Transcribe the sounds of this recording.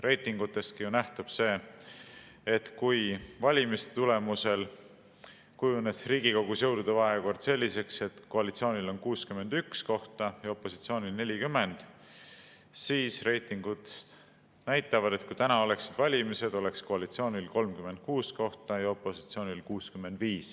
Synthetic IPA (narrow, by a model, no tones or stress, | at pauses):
re̞jt̪ˑiŋɡ̥ut̪ːˑe̞st̪̚kijunæht̪ub̥se̞ː | et̪kujvɑlʲimist̪e̥t̪ule̞muse̞l | kujunesriːɡ̥iko̞ɡusjɤ̞wd̪ud̪̥ɑvɑɦeko̞rd̪̥se̞lːise̞kse̞t̪ko̞ɑlit̪sio̞ːnʲilo̞nkuːskyme̞nd̪̥yksko̞ht̪ɑjɑo̞pːˑo̞sit̪sio̞ːnilne̞lʲikymːe̞nd̪̥ | siːsre̞jt̪ːˑiŋɡ̥ud̪̥ | næjt̪ˑːɑvɑd̪e̞t̪kujt̪ænɑo̞le̞ksid̪̥vɑlʲimise̞d̪o̞le̞ksko̞ɑlit̪sio̞ːnʲilko̞lmkyme̞nt̪̚kuːsko̞ht̪ɑjɑo̞pːˑo̞si̥t̪sio̞ːnʲilkuːskymːe̞nd̪viːs